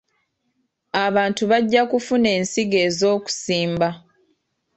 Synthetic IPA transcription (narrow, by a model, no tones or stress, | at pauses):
aβaːntuβaɟːakufune̞ːnsiɡe̞ːzo̞ːku̥siːmba